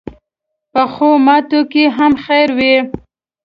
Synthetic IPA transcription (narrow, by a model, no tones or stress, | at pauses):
pəxomɑt̪okeɦamxeɾwe